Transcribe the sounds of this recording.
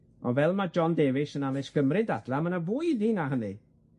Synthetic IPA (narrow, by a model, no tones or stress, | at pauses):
ɔvɛlˠmad͡ʒɔndeːvɪʃənavɛskʰəmrɪdadlˠamənavuːɨðinaɦəni